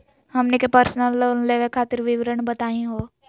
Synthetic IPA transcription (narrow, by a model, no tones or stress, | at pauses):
ɦəmnekepəɾsnəlːənleʋekʰaːt̪ɪɾʋɪʋɾəɳbət̪aːĩɦoː